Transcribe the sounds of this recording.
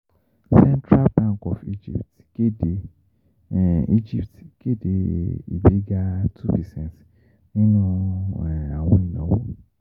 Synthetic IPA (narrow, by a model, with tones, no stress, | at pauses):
sɛ̃˦ntʰɾa˦lbã˦˨kɔ˨fḭ˦d͡ʒḭ˦˨pt | ke˦de˨ | i˦d͡ʒi˦ptke˦˨de˨˦ḭ˨be˨˦ɡa˦tʰu˦pɛ˨sɛ̃˨ns | nĩ˦nũ˦˨ | a˨w̃ɔ̃˨i˨nɔ̰̃˨˦wo˦